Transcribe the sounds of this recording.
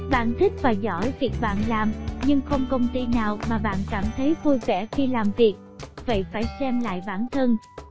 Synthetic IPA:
ɓa̰ː˧˨nt̪ʰï˦˥k̚vaː˨˩zɔ̰˧˩jvi˨˩k̚ɓa̰ː˧˨nlaː˨˩mɲɨ˧ŋxə˧wŋ͡mkə˧wŋ͡mt̪i˧naː˨˩wmaː˨˩ɓa̰ː˧˨nkaː˧˩mt̪ʰə˨˦jvu˧jvɛ˧˩xi˧laː˨˩mvi˨˩ək̚və̰˧˨jfaː˧˩jsɛ˧mla̰ː˧˨jɓaː˧˩nt̪ʰə˧n

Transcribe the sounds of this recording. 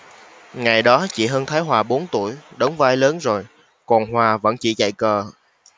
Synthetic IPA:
ŋa˨˩jɗɔ˨˦t͡ɕḭ˧˩ɦəː˧nt̪ʰaː˨˦jɦwaː˨˩ɓo˨˦nt̪ṵ˧˩əjɗə˨˦wŋ͡mvaː˧jləː˨˦nzo˨˩j | kɔ˨˩nɦwaː˨˩və̰˧˥nt͡ɕḭ˧˩t͡ɕa̰˧˨jkəː˨˩

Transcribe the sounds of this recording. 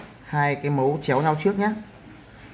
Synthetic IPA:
haː˧jkaː˨˦jmo˨˦wt͡ɕi˨˦wɲa˧wt͡ɕɨ˦˥ət̚ɲaː˦˥

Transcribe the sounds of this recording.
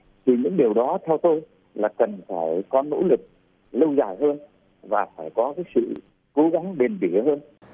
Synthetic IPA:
t̪ʰi˨˩ɲɨ̰˧˥ŋɗi˨˩əwɗɔ˨˦t̪ʰɛ˧wt̪o˧j | laː˨˩kə˨˩nfaː˧˩jkɔ˨˦no̰˧˥lɨ˨˩k̚ | lə˧wzaː˧˩jɦəː˧n | vaː˨˩faː˧˩jkɔ˨˦kaː˨˦jsɨ̰˧˨ | ko˨˦ɣa˨˦ŋɗe˨˩nɓi˧˩həː˧n

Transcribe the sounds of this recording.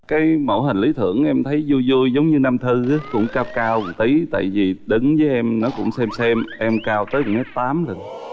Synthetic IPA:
kaː˨˦jmo̰˧˩ɦï˨˩ŋ̟li˨˦t̪ʰɨ̰˧˩əŋʔɛ˧mt̪ʰə˨˦jzu˧jzu˧əjzə˨˦wŋ͡mɲɨ˧na˧mt̪ʰɨ˧aː˨˦kʊ̰˧˥ŋ͡mkaː˧wkaː˧wt̪i˨˦t̪a̰ː˧˨jvi˨˩ɗɨ˨˦ŋvəː˨˦jʔɛ˧mnɔ˨˦kʊ̰˧˥ŋ͡msɛ˧msɛ˧mʔɛ˧mkaː˧wt̪əː˨˦jm̚˨˩a˦˥t̚t̪aː˨˦mlə˧˩n

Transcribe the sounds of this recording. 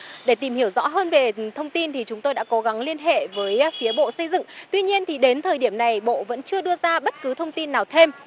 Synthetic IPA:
ɗe˧˩t̪i˨˩mhi˧˩əwzɔ̰˧˥ɦəː˧nve˨˩t̪ʰə˧wŋ͡mt̪i˧nt̪ʰi˨˩t͡ɕʊ˨˦ŋ͡mt̪o˧jɗa̰ː˧˥ko˨˦ɣa˨˦ŋli˧ənɦḛ˧˨vəː˨˦jfi˨˦əɓo̰˧˨sə˧jzɨ̰˧˨ŋt̪wi˧ɲi˧ənt̪ʰi˨˩ɗe˨˦nt̪ʰəː˨˩jɗi˧˩əmna˨˩jɓo̰˧˨və̰˧˥nt͡ɕɨ˧əɗɨ˧əzaː˧ɓə˦˥t̚kɨ˨˦t̪ʰə˧wŋ͡mt̪i˧nːaː˨˩wt̪ʰe˧m

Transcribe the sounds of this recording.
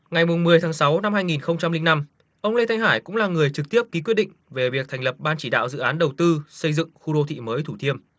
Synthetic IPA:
ŋa˨˩jmʊ˨˩ŋ͡mmɨ˨˩əjt̪ʰaː˨˦ŋsa˨˦wna˧mhaː˧jŋi˨˩nxə˧wŋ͡mt͡ɕa˧mlï˧ŋ̟na˧m | ʔə˧wŋ͡mle˧t̪ʰa˧jŋ̟ɦaː˧˩jkʊ̰˧˥ŋ͡mlaː˨˩ŋɨ˨˩əjt͡ɕɨ˨˩k̚t̪i˦˥əp̚ki˨˦kwi˦˥t̚ɗḭ̈˧˨ŋ̟ve˨˩vi˨˩ək̚t̪ʰa˨˩ŋ̟lə˨˩p̚ɓaː˧nt͡ɕi˧˩ɗa̰ː˧˨wzɨ̰˧˨ʔaː˨˦nɗə˨˩wt̪ɨ˧sə˧jzɨ̰˧˨ŋxu˧ɗo˧t̪ʰḭ˧˨məː˨˦jt̪ʰu˧˩t̪ʰi˧əm

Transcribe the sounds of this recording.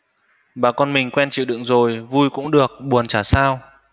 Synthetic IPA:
ɓaː˨˩kɔ˧nmï˨˩ŋ̟kwɛ˧nt͡ɕḭ˧˨wɗɨ̰˧˨ŋzo˨˩jvu˧jkʊ̰˧˥ŋ͡mɗɨ˨˩ək̚ɓu˨˩ənt͡ɕaː˧˩saː˧w

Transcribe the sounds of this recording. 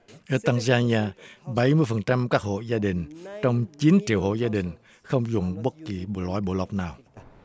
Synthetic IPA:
ʔəː˨˧˦t̪a˧ŋzaː˧ɲaː˧ɓə˨˧˩jmɨ˧əjfə˨˩nt͡ɕa˧mkaː˦˥k̚ho̰˧˨zaː˧ɗï˨˩ŋ̟t͡ɕɔ˧wŋ͡mt͡ɕi˨˦nt͡ɕḭ˧˨əwho̰˧˨zaː˧ɗï˨˩ŋ̟ | xə˧wŋ͡mzʊ˨˩ŋ͡mɓə˦˥t̚ki˨˩ɓlwa̰ː˧˨jɓo̰˧˦lə˨˩k͡p̚naː˨˩w

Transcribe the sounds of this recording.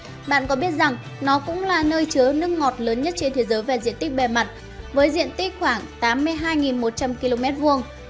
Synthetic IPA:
ɓa̰ː˧˨nkɔ˨˦ɓi˦˥ət̚za˨˩ŋ | nɔ˨˦kʊ̰˧˥ŋ͡mlaː˨˩nəː˧jt͡ɕɨ˨˦ənɨ˦˥ŋːɔ˨˩t̚ləː˨˦nɲə˦˥t̚t͡ɕe˧nt̪ʰe˨˦zəː˨˦jva˨˩zḭ˧˨ənt̪i˦˥k̚ɓɛ˨˩ma˨˩t̚ | vəː˨˦jzḭ˧˨ənt̪i˦˥k̚xwaː˧˩ŋt̪aː˨˦mːɨ˧əjɦaː˧jŋi˨˩nmo˨˩t̚t͡ɕa˧mki˧lo˧mɛ˦˥t̚vu˧əŋ

